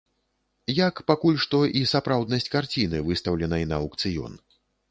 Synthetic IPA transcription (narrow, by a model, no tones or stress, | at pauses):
jakpakulʲʂt̪ɔʔisapɾawd̪nɐsʲt͡sʲkart͡sʲinɨvɨst̪ɐwlʲɛnɐjinɐɐwkt̪sɨjɔ̰n